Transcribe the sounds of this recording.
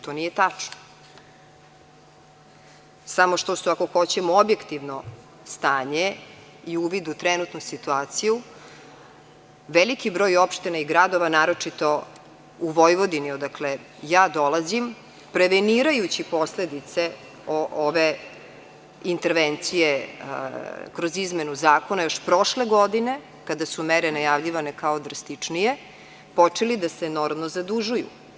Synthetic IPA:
t̪o̞nijet̪at͡ʂno | samo̞ʃt̪o̞suako̞xo̞t͡ɕemoobjekt̪iʋno̞ | st̪aːɲe | iuʋid̪ut̪ɾɛnut̪nusit̪uaːt̪siju | ʋelikibɾo̞ːjo̞pʃt̪inaiɡɾad̪o̞ʋanaːɾo̞t͡ʂit̪o̞ | uʋojʋo̞d̪iniod̪akle | jaːd̪olˠazim | pɾeʋeniɾajut͡ɕipo̞sled̪it̪se | oʔoʋe | int̪eɾʋent̪sije | kɾozizmenuzaːkonajoʃpɾo̞ʃleɡod̪ine̞ | kad̪asumeɾenajaʋʎiʋanekaod̪ɾast̪it͡ʂnije | po̞t͡ʂelid̪aseno̞ɾmnozad̪uʒujṵ

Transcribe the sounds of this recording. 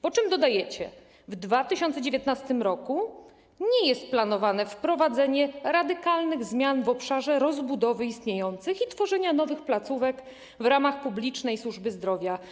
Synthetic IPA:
pɔt͡ʂɘmd̪ɔd̪ajɛt͡ɕɛ̰ | vd̪vat̪ɘɕɔnt̪sɛd͡ʑevʲjet̪nast̪ɘmɾɔku | ɲɛjɛst̪̚planɔvanɛfpɾɔvad̪zɛɲɛɾad̪ɘkalnɘɣzmʲjanvɔpʂaʐɛɾɔzbud̪ɔvɘist̪ɲejɔnt̪sɘxit̪fɔʐɛɲanɔvɘxplat̪suvɛk | vɾamaxpublʲit͡ʂnɛjswuʐbɘzd̪ɾɔvʲja

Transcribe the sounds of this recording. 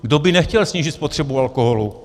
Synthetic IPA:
ɡdobɪnɛxcɛlsɲiːʒɪt̪spot̪r̥ɛbualkoɦolu

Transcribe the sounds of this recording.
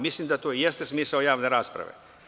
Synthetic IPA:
mislimd̪at̪oːijest̪esmiːsaojaːʋne̞ɾaːspɾa̰ʋḛ

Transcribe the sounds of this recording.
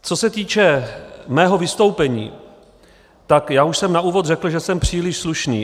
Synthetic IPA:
t͡so̞sɛt̪iːt͡ʃɛmɛːɦo̞vɪst̪o̞wpɛɲḭː | t̪akjaːuʃsɛmnauːvot̪rɛkl̩ʒɛsɛmpr̝̥iːlɪʃsluʃnḭː

